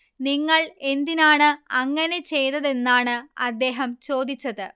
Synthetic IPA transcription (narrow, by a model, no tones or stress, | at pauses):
niŋːɐɭe̞nd̪inaːɳɨɐŋːɐne̞t͡ɕe̞jt̪ɐðe̞nːaːɳɨɐd̪ːe̞ːɦɐmt͡ɕo̞ːd̪it͡ɕːɐðɨ